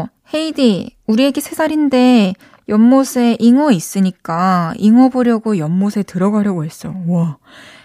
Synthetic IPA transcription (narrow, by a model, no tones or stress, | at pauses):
he̞idiuɾie̞ɡe̞sʰe̞sʰaɾinde̞ | jʌmːosʰe̞ʔiŋʌis͈ɯɲik͈aiŋʌboɾjʌɡojʌmːosʰe̞tɯɾʌɡaɾjʌɡoɦe̞s͈ʌwa